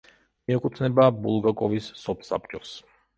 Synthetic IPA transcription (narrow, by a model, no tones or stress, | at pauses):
miɛkʼut̪ʰnɛbabṵlˠɡakʼɔvisːɔpʰsa̰p̚t͡ʃʼɔs